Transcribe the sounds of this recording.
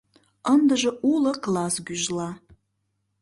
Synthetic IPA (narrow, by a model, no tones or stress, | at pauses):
ənd̪ɨʒɐʔulɐklasɡʲyʒla